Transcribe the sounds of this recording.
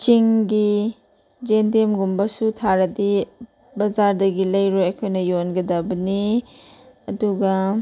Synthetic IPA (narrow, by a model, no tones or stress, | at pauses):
t͡ʃiŋɡi | d͡ʒendemɡumbɐsutʰaɾɐdi | bɐzaɾdɐɡilɐjɾojɐjkʰojnɐjonɡɐdɐbɐni | ɐduɡɐ